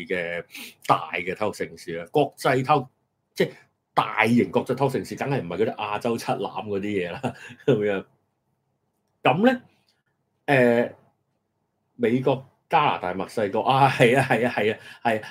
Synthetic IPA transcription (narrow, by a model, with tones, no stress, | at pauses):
kɛː˧t̪a̰ː˨jkɛː˧t̪ʰɐ˥˧k̚sɪ˨ŋsiː˨a˧kɔː˧k̚t͡sɐ˧jt̪ʰɐ˥wk̚ | t͡sɛː˥˩ | t̪a̰ː˨jːɪ˨˩ŋkɔː˧k̚t͡sɐ˧jt̪ʰw̚sɪ˨ŋsiː˨˧t̪ɐ˨˥ŋhɐ˨jm̩˨˩hɐ˨jkoː˧˥t̪ɪ˥ʔaː˧t͡sɐ˥wt͡sʰɐ˥t̚la̰ː˨˥mkɔː˨˧t̪iː˥jɛː˨˧laː˥kɐ˨˦mjœː˨˥ŋ | kɐ˨˥mlɛ˥ | ɛː˨ | me˨˧jkɔː˧k̚ː | kaː˥la̰ː˨˩t̪aː˨jmɐ˨k̚sɐ˧jkɔː˧k̚ʔaː˧hɐ˨jaː˧ɦɐ˨jaː˧hɐ˨jaː˧hɐ˨ja˧